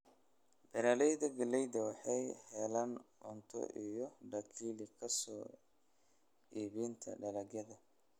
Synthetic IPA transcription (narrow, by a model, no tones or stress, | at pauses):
b̥ɛɾaːlɛjðɐɡɐlɛjd̪ɐwɑħɑjhɛːlanʊnt̪ʰɔ̰ʔijɔɖɐkʰiːlɪkʰɐsɔː | iːβint̪ʰɐ̰ɖɐlɐɣjɐðɐ